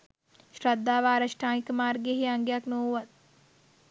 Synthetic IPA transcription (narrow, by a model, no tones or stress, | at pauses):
ʃrad̪ːaːʋaːɾaʂʈaːnikəmaːrɡeɦeaŋɡejaknoːuʋat̪̚